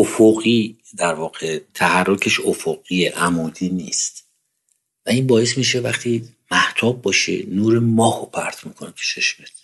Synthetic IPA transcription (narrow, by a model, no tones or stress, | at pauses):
ofoɣiː | d̪æɾvɒːɣet̪ʰæhærːokʰe̞ʃofoɡiːeʔæmuːd̪iːniːst̪ | væiːnbɒːje̞s̬miʃevæχt̪ʰiː | mæht̪ʰɒːbːɒːʃḛnuːɾemɒːhopʰæɾt̪ʰmiːkʰonekʰet͡ʃʰeʃmet̪̚ʰ